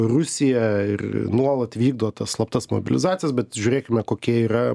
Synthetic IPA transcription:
rʊsʲɪjɛɪ̰rnuɔlˠɐt̪ʋʲiːɡ̚d̪oːt̪ɐsslˠɐp̚t̪ɐsmo̰bʲɪ̰lʲɪ̰zɑːtt͡s̪ʲɪjɛsbʲɛt̪ʒʲʉːɾʲeːkʲɪmʲɛkoːkʲiɛiːɾɐ

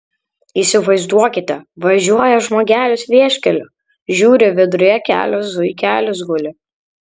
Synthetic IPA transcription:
iːˑsʲɪʋɐɪzd̪uɔkʲɪt̪ʲɛʋɐʒʲuɔjɛʒmoːɡʲæːlʲʊsʋʲiɛʃʲkʲɛlʲʊ | ʒʲuːɾʲɪʋʲɪd̪ʊɾʲjɛkʲæ̰ːlʲosʊkʲæːlʲʊsɡʊlʲɪ

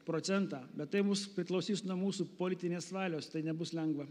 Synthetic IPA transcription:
pɾoːt̪sʲɛnt̪ɑːbʲɛt̪t̪ɐɪmʊspʲɾʲɪklˠɐʊsʲiːsnuɔmuːsupoːlʲɪt̪ʲɪnʲeːsʋɑːlʲoːst̪ɐɪnʲɛbʊslʲɛŋɡʋɐ

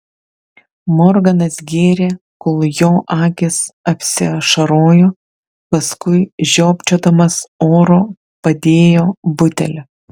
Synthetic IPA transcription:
mɔɾɡɐnɐsɡʲeːɾʲeːkʊlˠjoːʔɑːkʲɪsɐpʲsʲɪʃɐɾoːjoː | pɐskʊɪʒʲoːpʲt͡ʃʲoːd̪ɐmɐsoːɾoː | pɐd̪ʲeːjoːbʊt̪ʲɛ̰lʲɛ

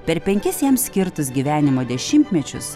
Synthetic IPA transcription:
pʲɛɾpʲɛŋʲkʲɪsjɛmsʲsʲkʲɪɾt̪ʊs̬ɡʲiːʋʲæːnʲɪmoːd̪ʲɛʃʲɪmʲt̪ʲmʲɛt͡ʃʲʊ̰s

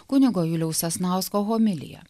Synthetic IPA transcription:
kʊnʲɪɡoːjulʲɛʊsʲɛsnɑˑʊskoːɦoːmʲɪlʲɪ̰jɛ̰

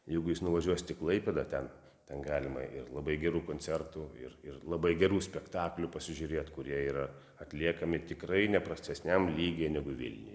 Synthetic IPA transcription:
jɛɪɡʊjɪsnʊʋɐʒʲuɔsʲt̪ʲɪklˠɐɪpʲeːd̪ɐt̪ʲɛn | t̪ʲɛnɡɑːlʲɪmɐ̰ʔɪrlˠɐbɐɪɡʲɛɾuːkoːnʲsʲɛrt̪uɪ̰rɪrlˠɐbɐɪɡʲɛɾuːsʲpʲɛkt̪ɑːklʲʊpɐsʲɪʒʲʊɾʲeːt̪kʊɾʲiɛiːɾɐ | ɐt̪ʲlʲiɛkɐmʲɪt̪ʲɪkrɐɪnʲɛpɾɐsʲt̪ʲɛsʲnʲɛmlʲiːɡʲeːnʲɛɡʊʋʲɪ̰lʲnʲɪ̰j

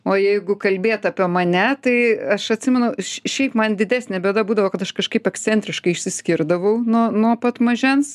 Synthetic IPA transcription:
oːjɛɪɡʊkɐlʲbʲeːt̪ɐːpʲiɛmɐnʲɛt̪ɐɪɐʃɐt̪ʲsʲɪmʲɛnʊʃʃʲɛɪpmɐnd̪ʲɪd̪ʲæːsʲnʲɛbʲeɛd̪ɐbuːd̪ɐʋoːkɐt̪ɐʃkɐʃkɐɪpɛksʲt̪t͡sʲsʲɛnʲt̪ʲɾʲɪʃkɐɪɪʃʲsʲɪsʲkʲɪrd̪ɐʋɐʊnuɔnuɔpɐt̪mɐʒʲɛns

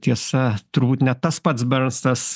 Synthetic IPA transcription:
t̪ʲiɛsɐt̪ʊɾbuːt̪ʲnʲɛt̪ɐspɐt̪sbɛɾst̪ɐs

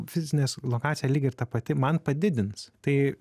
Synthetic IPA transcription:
fʲɪzʲɪnʲeːslˠoːkɑːt͡ssʲɪjɛlʲiːɡʲɪɾt̪ɐpɐt̪ʲɪmɐnpɐd̪ʲɪd̪ʲɪnst̪ɐɪ

